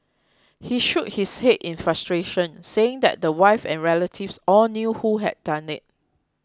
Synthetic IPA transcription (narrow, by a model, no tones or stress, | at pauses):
hiʃut̚hishetĩnfɹastɹeʃə̃nseɪ̃ŋdɛ̰t̚dəwaɪfɛ̰̃nɹɛlətʰifsɔlnjuhuɦɛ̰d̚dãnɪt̚